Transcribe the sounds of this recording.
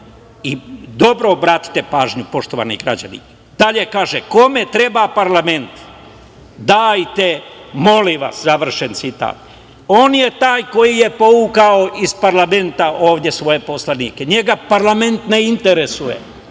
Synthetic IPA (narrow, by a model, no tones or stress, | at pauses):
id̪o̞bɾo̞bɾaːt̪i̥t̪e̞paːʒɲupo̞ʃt̪o̞ʋa̰ːnḭɡɾa̰d͡ʑa̰nḭ | d̪aʎekaːʒeko̞me̞t̪ɾe̞bapaɾlame̞nt̪ | d̪aːjt̪emo̞liʋa̰szaʋr̩ʃent̪sit̪a̰ːt̪ | o̞ːnjet̪aːjko̞jijepo̞ukaoispaɾlame̞nt̪aʔo̞ːʋd̪ʲje̞sʋo̞je̞po̞slaniːkeɲe̞ɡapaɾlame̞nt̪neint̪e̞ɾesujḛ